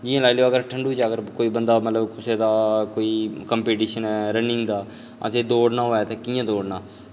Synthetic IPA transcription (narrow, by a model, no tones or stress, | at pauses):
d͡ʒijãːlaːilejoːəɡəɾʈʰəɳɖuːt͡ʃaːɡəɾkoːiːbənd̪aːmət̪ləbkʊseːd̪aːkoːiːkəmpeːʈiːʃənɛːɾənɪ̃ŋɡd̪aː | ə̰seːd̪oːɽnãːɦoːɛːt̪ãːkiːãːd̪oːɽnãː